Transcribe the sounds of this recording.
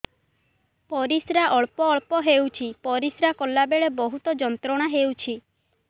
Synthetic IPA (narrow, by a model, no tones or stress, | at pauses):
pɔɾisɾaʔɔɭpɔːɭpɔɦewt͡ʃʰipɔɾisɾakɔlabeɭebɔɦut̪ɔd͡ʒɔnt̪ɾɔɽ̃aɦewt͡ʃʰi